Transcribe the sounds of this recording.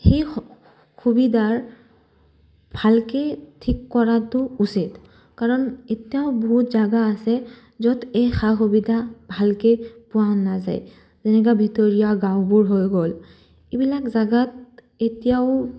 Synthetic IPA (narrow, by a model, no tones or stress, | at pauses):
xej | xubidʱaɹ | bʱalketʰikːɔɹatʊusit | kaɹɔnetijaʊbɔɦutzaɡaːsɛ | zɔtejxaxubidʱabʱalkepʊwanːaza̰j | zenɛk̬abʱitɔɹijaɡãwbuɹɦojɡɔl | ebilakzaɡat | etijaʊ